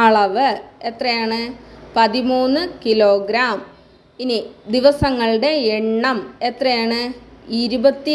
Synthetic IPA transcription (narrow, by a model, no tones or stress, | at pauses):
ɐɭɐʋɨet̪rɐjaːɳɨpɐðimuːnːɨkilo̞ːɡɾaːm | inid̪iʋɐsɐŋːɐɭɽe̞eɳːɐme̞t̪rɐjaːɳɨiɾubɐt̪ːi